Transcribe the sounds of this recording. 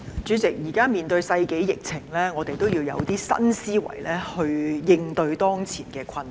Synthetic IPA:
t͡ʃyː˨˥t͡sɪ˨k̚jiː˨˩kaː˥miː˨˩nt̪ɵ˧ɥsɐ˧jke˨˥jjɪ˨k̚t͡sʰɪ˨˩ŋlɛː˥ŋɔː˨˧t̪e˨jt̪o˥wjiː˧wjɐ̰˨˧wt̪iː˥sɐ̰˥nsiː˥wɐ̰˨˩jlɛː˥hɵ˧ɥjɪ˧ŋt̪ɵ˧ɥt̪ɔː˥ŋt͡sʰiː˨˩nkɛː˧kʰɐ˧n

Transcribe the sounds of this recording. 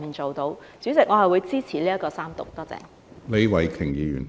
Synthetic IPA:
iː˨˩nt͡so˨wt̪o˨˧w | syː˨˥t͡sɪ˨k̚ŋɔ˨˧hɐ˨jwuː˨˧jt͡siː˥t͡sʰiː˨˩liː˥jɐ˥kːɔː˧saː˥mt̪ʊ˨k̚t̪ɔː˥t͡sɛ̰ː˧˩ŋ | le˨˥wɐ˨jkʰɪ˨˩ŋjiː˨˧jy̰ː˨˩n

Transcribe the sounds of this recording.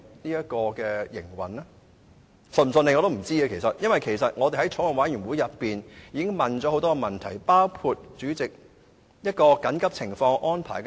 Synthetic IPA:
niː˥jɐ˥t̚kɔː˧kɛː˧jɪ̰˨˩ŋwɐ̰˨˩nɛ˥ | sɵ˨˩msnle˨ŋɔ˨˧t̪o˥m̩˨˩t͡siː˥ɐ˧kʰe˨˩jsɐ˨t̚jɐ˥nwɐ˨jkʰe˨˩jsɐ˨t̚ŋɔː˨˧t̪e˨˩hɐ˨˥jt͡ʃʰo˨˥wɐ˨nwaː˨˥jyː˨˩nwuː˨˥jɐ˨tpːiː˨njiː˨˧kɪ˥ŋmɐ˨nt͡sɔː˨˥ho˨˥wt̪ɔː˥kɛ˧mɐ˨nt̪ʰɐ˨˩jpaː˥wkʰu˧t̚t͡ʃyː˨˥t͡sɪ˨k̚ | jɐ˥t̚kɔː˧kɐ˨˥nkɐ˥p̚t͡sʰɪ˨˩ŋfɔː˧ŋʔɔː˥npʰa̰ː˨˩jk

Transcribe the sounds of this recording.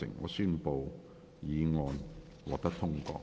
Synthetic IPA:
ɪ̰˨˩ŋːɔ̰ː˨˧syː˥npo˧w | jiː˨˧ŋɔː˧n | wɔ̰ː˨k̚t̪ɐ˥k̚t̪ʰʊ˥ŋkɔ̰ː˧

